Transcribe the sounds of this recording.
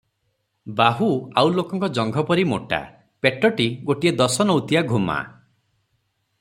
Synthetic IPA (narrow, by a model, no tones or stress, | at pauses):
baɦuawlokɔŋkɔd͡ʒɔŋɡʱɔpɔɾimo̰ʈa̰ | peʈɔʈiɡoʈied̪ɔsɔnɔwt̪ijaɡʱuma̰